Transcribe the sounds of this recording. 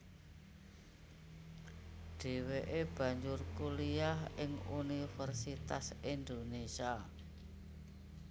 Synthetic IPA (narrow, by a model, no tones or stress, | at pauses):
ɖ̥e̤weʔeb̥ä̤ɲd͡ʒʊrkuliaɦɪŋunifɛrsit̪a̰sind̪onesia